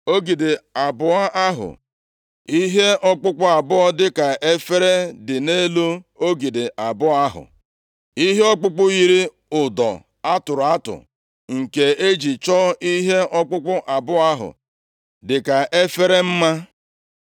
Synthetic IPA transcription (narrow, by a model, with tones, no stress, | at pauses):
o˦ɡi˨de˨a˨bʊ˦a˦ʔa˦ɦʊ̰˨ | i˦ɦe˦ɔ˦k͡pʊ˦k͡pʊ˦a˨bʊ˦ɔ˦dɪ˦ka˨e˦fe˦ɾe˦dɪ˨ne˦lo˦o˦ɡi˨de˨ʔa˨bʊ˦a˦ɦʊ̰˨ | i˦ɦe˦ɔ˦k͡pʊ˦k͡pʊ˦ɣi˦ɾi˦ | ʊ˨dɔ̰˨ | a˦tʊ˨ɾʊ˨a˦tʊ̰˨ | ŋ̩˨ke˨e˦d͡ʒi˨t͡ʃɔ˦i˦ɦe˦ɔ˦k͡pʊ˦k͡pʊ˦ʔa˨bʊ˦a˦ɦʊ̰˨ | dɪ˨ka˨e˦fe˦ɾe˦m̩˦ma˦